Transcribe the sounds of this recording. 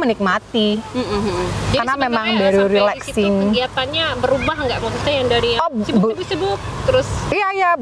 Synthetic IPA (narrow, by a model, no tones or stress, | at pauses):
mənɪk̚mat̪im̩ | karnamemaŋbaɾuɾilɛksɪŋɡiat̪anɲabəɾubaɦəŋɡaʔŋɔkit̪ajaŋdaɾiɔsibbʊsibʊk̚t̪əɾʊsijaja